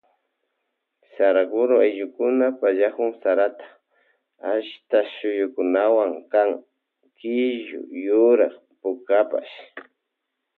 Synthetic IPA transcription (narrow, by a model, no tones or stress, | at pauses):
saɾakʊɾʊajʎʊkʊnapaʎakʊŋsaɾat̪ḁ | aʃt̪aʃʊjʊkʊnawaŋkaŋ | kɪʒʊ̰jʊɾaχ | pʊkapa̰ʃ